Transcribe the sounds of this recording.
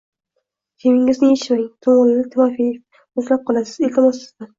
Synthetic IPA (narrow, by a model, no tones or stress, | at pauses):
k̪ʲʰemɪŋɪznɪjeʃɪmaŋt̪ʰomɨllɪt̪ʰɪmɒfi | ʊslap̚qʰɒlˠasɪ̥zelʲt̪ʰɪmɒsɪzd̪a